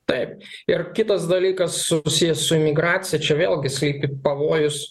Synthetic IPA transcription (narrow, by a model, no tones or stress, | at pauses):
t̪ɐɪp̚ | ɪrkʲɪt̪ɐsd̪ɐlʲiːkɐsːʊsʲɪjɛssʊɪmʲɪɡɾɑːt̪sʲɪjɛt͡ʃʲɛʋʲeːlʲˠɡʲɪsʲlʲiːpʲɪpɐʋoːjʊs